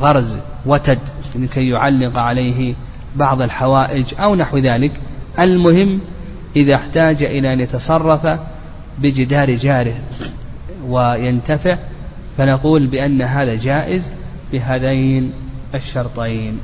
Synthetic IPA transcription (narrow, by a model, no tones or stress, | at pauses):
ɣɑɾˤzwat̪ad̪lɪkajːʊʕalːɪqʕalajɦɪ | bɑʕðˤalħawaːʔɪd͡ʒʔawnaħwðaːlɪkʔalmʊhɪmː | ʔɪðaħt̪aːd͡ʒaʔɪlaʔanjat̪ɑsˤɑrˤːɑfa | bɪd͡ʒɪd̪aːɾd͡ʒaːɾɪh | wajant̪afɪʕ | fanaquːlbɪʔanːaɦaːðad͡ʒaːʔɪz | bɪɦaːðajnʔaʃːɑɾˤt̪ˤɑjn